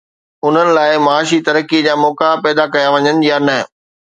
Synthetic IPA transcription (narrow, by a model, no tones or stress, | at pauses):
ʊn̤ənɪ̆laːɪmaːʃit̪ɐɾəkid͡ʑaːmɔːkapɛːd̪akɐjaʋɐɲənɪ̆janɐ